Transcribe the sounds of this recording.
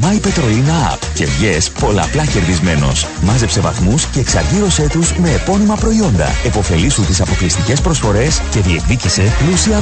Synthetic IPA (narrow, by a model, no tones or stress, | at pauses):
mɐipe̞t̪ɾo̞linɐɐ̰pce̞vʝe̞spo̞lɐ̰ːplɐce̞ɾðizme̞no̞̰s | mɐze̞pse̞vɐ̰θmusce̞ːksɐɾʝiɾo̞se̞t̪uzme̞ːpo̞nimɐpɾo̞io̞nd̪ɐ̰e̞po̞fe̞lisunt̪isɐpo̞klist̪ice̞spɾo̞sfo̞ɾe̞sce̞ðie̞kðicise̞plusiɐ